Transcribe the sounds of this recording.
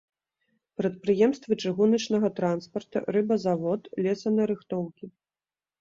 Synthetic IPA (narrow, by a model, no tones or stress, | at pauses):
pɾɐt̪̚pɾɨjɛmst̪vɨt͡ʂɨɣunɐt͡ʂnɐɣɐt̪ɾanspɐrt̪ɐ̰rɨbɐzavɔt̪lʲɛsɐnɐɾɨxt̪ɔwkʲi